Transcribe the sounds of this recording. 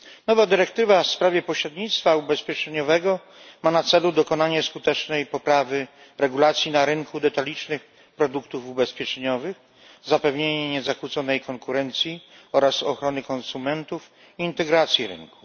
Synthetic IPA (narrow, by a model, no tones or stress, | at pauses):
nɔvad̪ɘɾɛk̚t̪ɘvafspɾavʲjɛpɔɕɾɛd̪ɲit̪st̪faubɛspʲjɛt͡ʂɛɲɔvɛɡɔ | manat̪sɛlud̪ɔkɔnaɲɛskut̪ɛt͡ʂnɛjpɔpɾavɘ | ɾɛɡulat̪sʲjinaɾɘnkud̪ɛt̪alʲit͡ʂnɘx | pɾɔd̪ukt̪ufubɛspʲjɛt͡ʂɛɲɔvɘx | zapɛvɲeɲɛɲɛzakwut̪sɔnɛjkɔŋkuɾɛnt̪sʲjiɔɾasɔ̰xɾɔnɘkɔnsumɛnt̪uf | iːnt̪ɛɡɾat̪sʲjiɾɘ̰nku̥